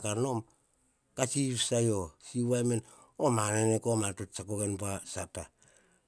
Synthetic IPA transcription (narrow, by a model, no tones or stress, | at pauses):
kaɾnom | kasiβsajosiβamen | omanenekomatott͡ʃakoɡenpoasapa